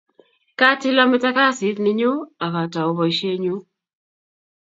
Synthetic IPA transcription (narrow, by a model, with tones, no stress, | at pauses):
ka˦tɪ˦la˦mɪ˦ta˦ka˦sɪ˨˦tnɪ˦ɲo˦a˨ka˨ta˨o˨bɔ˨i˨ʃe˦ɲu˦